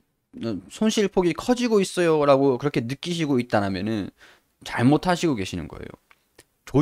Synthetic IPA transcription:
ʌsʰonɕʰiɭpʰoɡikʰʌd͡ʑiɡois͈ʌjoɾaɡokɯɾʌkʰe̞nɯk͈iɕ̬ʰiɡoit̚t͈anɦamjʌnɯn | t͡ɕaɭmotʰaɕʰiɡoke̞ɕʰinɯnɡʌ̰ḛjo̰ | t͡ɕo

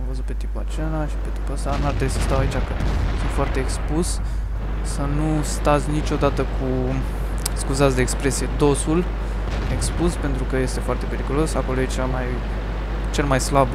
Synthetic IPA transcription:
vəzut̪pe̞t̪ipat͡ʃelaʃi̥pe̞t̪i̥pasanuaʃt̪ɾəbisəst̪await͡ʃʲakəsũnt̪foart̪e̞ːkspus | sənust̪at̪sʲnit͡ʃʲo̞d̪at̪əkʰu | skuzat̪sʲd̪eːkspɾe̞sije̞d̪o̞sul | e̞kspuspe̞nt̪ɾukəje̞st̪e̞foart̪e̞pe̞ɾikulo̞sako̞lo̞jet͡ʃamaj | t͡ʃe̞lmajslab

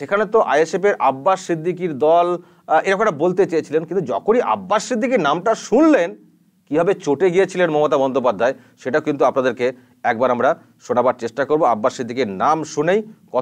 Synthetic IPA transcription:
ʃekʰanet̪oʔa̰jesepeɾʔabːaʃsid̪ʱːik̬iɾd̪ɔl | eɾakomʈabolt̪et͡ɕajet͡ɕʰilenkint̪ud͡ʑɔ̰kʰoniʔa̰bːaʃsid̪ʱːikiɾnamʈaʃunlen | kibʱabet͡ɕoʈeɡijet͡ɕʰilenmɔmot̪abɔnd̪ʱopad̪ʱːae | ʃeʈakint̪uapnad̪eɾke | ɛk̚baɾamɾa | ʃonabaɾt͡ɕeʃʈakoɾboabːaʃsid̪ʱːikiɾnamʃunejkɔ

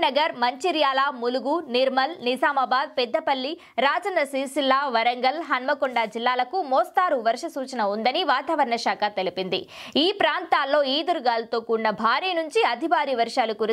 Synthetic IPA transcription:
nɐɡɐɾmɐɲt͡ʃiɾjaːlaːmuluɡuniɾmɐlnisaːmɐbaːd̪̚pɛd̪ːɐpɐlːi | ɾaːd͡ʒɐndɐsiːsilːaːʋɐɾɐŋɡɐlɦɐnmɐkɔɳɖaːd͡ʒilːaːlɐkumɔːst̪aːɾuʋɐɾʂɐsuːt͡ʃɐnɐund̪ɐniʋaːt̪aːʋɐɾɳɐʃaːkʰaːt̪elipind̪ḭiːpɾaːnt̪aːlːo̞ːiːd̪uɾɡaːlɐt̪oːkunːɐbʱaːɾiːnuɲt͡ʃiɐd̪ʱibaːɾiːʋɐɾʂaːlukuɾ

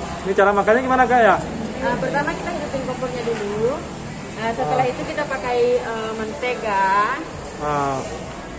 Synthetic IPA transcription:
nit͡ʃaɾamakaɲaɡimanakaja | əbərt̪amakit̪akət̪up̪iŋpɔpɔrɲaduluu | ʔəsəəlait̪ukit̪apakaiəmant̪eɡa | ə

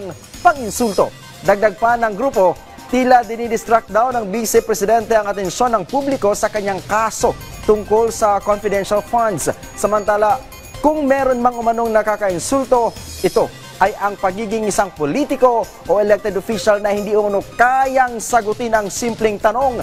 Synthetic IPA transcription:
ŋ | pɐŋɪnsult̪o̞ | d̪ɐɡ̚d̪ɐɡ̚panɐŋɡɾuːpo̞ | t̪iːlad̪ɪnid̪ɪst̪ɾak̪̚d̪awnɐŋbiːsɛpɾɛsɪd̪ɛnt̪ɛɐŋɐt̪ɛnʃo̞nːɐŋpublɪko̞sɐkɐɲːaŋkaːso̞ | t̪ʊŋko̞lsɐkonfɪd̪ɛnʃalfand̪s | sɐmɐnt̪aːla | kʊŋmɛːɾo̞nmɐŋʊmɐno̞ŋnɐkakɐʔɪnsult̪o̞ʔɪt̪o̞ | ʔɐjɐŋpɐɡiːɡɪŋɪsaŋpolit̪ɪko̞ | ʔoʔɛlɛk̚t̪ɛd̪ofiʃalnɐhɪnd̪iʔʊmɐnokajɐŋsɐɡʊt̪ɪnɐŋsimplɛŋt̪ɐno̞ŋ

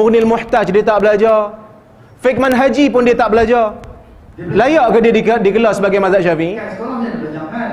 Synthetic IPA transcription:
ʊɣnialmuħt̪at͡ʃdiət̪aʔbəlad͡ʒa | fɪk̚manɦad͡ʒipʊndiət̪aʔbəlad͡ʒɔ | lajɔʔkədiədikəlɔsəbaɡajmãzaʔʃafi

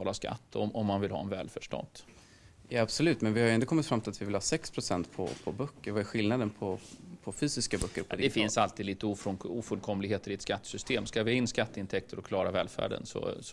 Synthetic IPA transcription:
ɑːlaska̰t̪ːɔ̰mɔmːanvɪlhɑ̰ːɛnvɛ̰ːlfœʂʈɔ̰nd̪̥ | jaabsɔlʉ̟ːt̪mɛnvɪhaɾjɛnt̪əkɔmːɪt̪fɾamt̪ɪlat̪vɪvɪlhɑːsɛkspʰɾʊsɛnt̪pʰɔ̰pʰɔbœkːəɾvaæɾɧɪlnad̪ənpʰɔpʰɔfyːsɪskabœkːəɾpʰɔd̪d̪ɛfɪnsalt̪iːd̪liːt̪əuːfɔuːfɵlkʰɔmlɪɡheːt̪əɾɪɛt̪skat̪ːsʏst̪eːmskavɪhaɪnːskat̪ːəɪnt̪ʰɛk̚t̪əɾɔkʰlɑːɾavɛːlfæ̰ːɖə̰nsɔ̰s

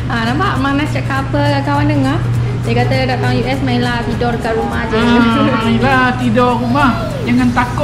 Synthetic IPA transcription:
ʔənampaʔmanast͡ʃaʔkapəkawanəŋah | dəkat̪ədat̪aŋjuʔɛsmailaht̪idɔrkarumad͡ʒamailat̪idɔrumah | d͡ʒaŋant̪akʊ

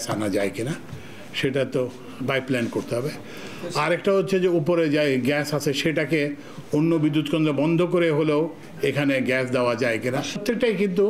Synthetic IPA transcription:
sanad͡ʑaekina | ʃeʈat̪o | bajplɛnkoɾt̪eɦɔbe | aɾɛkʈaɦotːɕʰed͡ʑeupoɾed͡ʑaeɡɛsat͡ɕʰeʃeʈake | onːobid̪ːut̪kend̪ɾobɔnd̪ʱokoɾeɦoleo | ekʰaneɡɛsd̪eoad͡ʑaekinat̪ʰːek̚ʈajkint̪̬u

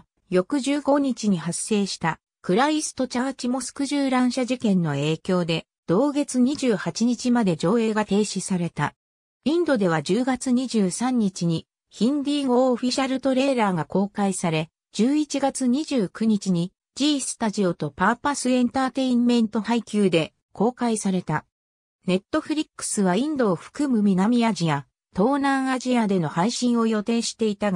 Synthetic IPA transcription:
jo̞kɯ̟ʑɨːɡo̞ɲ̟it͡ɕiɲ̟iɦasːe̞ːɕi̥t̪a | kɯ̟ɾaisɨ̥t̪o̞t͡ɕaβat͡ɕimo̞sɨ̥kɯ̟ʑɨːɾãɰ̃ɕaʑikẽ̞nːo̞e̞ːkʲo̞ːd̪e̞ | d̪̥o̞ːɡe̞t͡sɨɲ̟iʑɨːhat͡ɕiɲ̟it͡ɕimad̪e̞d͡ʑo̞ːe̞ːɡat̪e̞ːɕisaɾe̞t̪a | ĩnd̪o̞d̪e̞β̞ad͡ʑɨːɡat͡sɨɲ̟iʑɨːsãɲ̟ːit͡ɕiɲ̟i | çĩnd̪ʲiŋoːɸʲiɕaɾɯ̟t̪o̞ɾe̞ːɾaːɡako̞ːkaisaɾe̞ | d͡ʑɨːit͡ɕiɡat͡sɨɲ̟iʑɨːkɯ̟ɲ̟it͡ɕiɲ̟i | d͡ʑiːsɨ̥t̪aʑio̞t̪o̞paːpasɨẽ̞nt̪aːt̪e̞ĩmmẽ̞nt̪o̞haikʲɨːd̪e̞ | kʰo̞ːkaisaɾe̞t̪a | ne̞t̪ːo̞ɸɯ̟ɾʲikːɯ̥sɨβaĩnd̪o̞ːɸɯ̟̥kɯ̟mɯ̟mʲiɡamʲiad͡ʑia | t̪o̞ːnãɰ̃aʑiad̪e̞no̞haiɕĩɰ̃o̞jo̞t̪e̞ːɕi̥t̪e̞it̪aɡ

